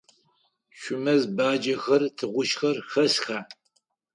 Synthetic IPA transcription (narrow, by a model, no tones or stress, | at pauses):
ʃʷʊmɐzbaːd͡ʒɐxɐrtʰɨʁʷʊʃxɐrxɐsxaː